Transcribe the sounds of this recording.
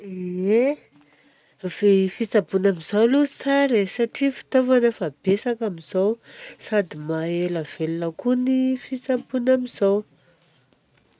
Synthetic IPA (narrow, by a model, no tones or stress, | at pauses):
e | vefit͡sapunamizawluzi̥t͡saɾesaʈ͡ʂifi̥t̪ovanəfab̥esakamiz̥awsad̪imaelav̥elunəkunifit͡sapunamizaw